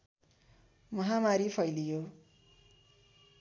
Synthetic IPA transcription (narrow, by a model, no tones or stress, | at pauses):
mʌɦamaɾipʰʌjlijo